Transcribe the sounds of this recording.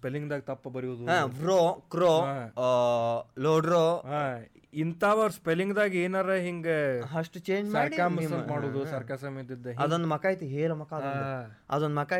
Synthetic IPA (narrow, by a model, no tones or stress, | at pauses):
spelːiŋɡd̪aːɡit̪ɐpːɐbɐɾiuːd̪uɦãːʋɾokɾo | loːɖɾoa | int̪aːʋɐɾspelːiŋɡd̪aːɡieːnɐɾeɦiŋɡeɦɐʂʈt͡ʃeːɲd͡ʒsɐɾikaːmbmɐmaːɽoːd̪usɐɾkasɐmed̪id̪ːeɦɐd̪ond̪mɐkaːjt̪iɦeːlɐmɐkaːd̪on | ɐ̰d̪ond̪mɐkaː